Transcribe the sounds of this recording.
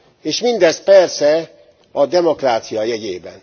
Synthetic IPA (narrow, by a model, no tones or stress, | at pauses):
eːʃmind̪ɛs̚pɛrsɛ | ɒd̪ɛmo̞kraːt̪sijɒjɛɟeːbɛn